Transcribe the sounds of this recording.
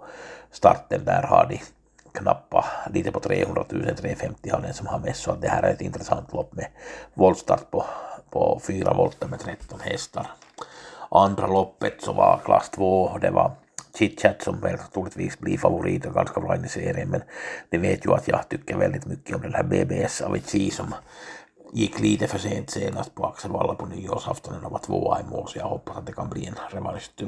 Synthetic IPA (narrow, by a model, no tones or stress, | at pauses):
st̪ɑrt̪ːənd̪æːɾhɑd̪ɪ | kʰnɑpːɑliːt̪ɛpɔt̪ʰɾḛːhɵnd̪ɾat̪ʰʉ̟ːsənt̪ʰɾeːfɛmt̪ːɪhɑd̪ɛnsɔmhɑnmɛsːoɑt̪̚d̪ɛhæːɾæɾɛt̪ɪnt̪ɾɛsɑnt̪lɔpːmɛʋɔld̪st̪ɑɾt̪̚pʰɔpʰɔfyːɾɑʋɔlt̪ːɑmɛt̪ʰɾɛt̪ːɔnhɛst̪ɑɾ | ɑnd̪ɾɑlɔpːət̪sɔʋɑkʰlɑ̰st̪ʰʋoːd̪ɛʋɑ | t͡ʃit̪t͡ʃæt̪sompelt̪ɑt̪ulːet̪ʋiːksbliːfɑʋoriːt̪okɑnskɑʋlɑinːiseːremːenneʋeːt̪juɑt̪jɑht̪ykːæʋelːit̪mykːiomdelhæbeːbeːesːɑ̰ʋʔisiːsom | ikliːt̪eføseːnt̪seːnɑst̪̚poɑkseʋɑlːɑpunijosɑft̪ɑnenoʋɑt̪ʋo̰ːɑimːo̰ːlsiɑhopːɑsɑnt̪ːekɑmblienreʋɑlist̪ːy